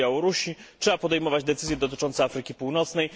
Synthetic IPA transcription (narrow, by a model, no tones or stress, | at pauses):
jawɔɾuɕitʂɛbapɔd̪ɛjmɔvad͡ʑd̪ɛt̪sɘzjɛd̪ɔt̪ɘ̥t͡ʂɔnt̪sɛafɾɘkʲipuwnɔt̪snɛj